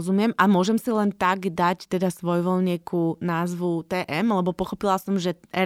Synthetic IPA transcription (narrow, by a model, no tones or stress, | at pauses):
zumɪɛmʔamʊɔʒɛmsilɛnt̪aɡd̪act̪ɛd̪asʋɔjʋɔlɲɛkunaːzʋut̪ɛːʔɛmlɛbɔpɔxɔpilasɔmʒɛɛ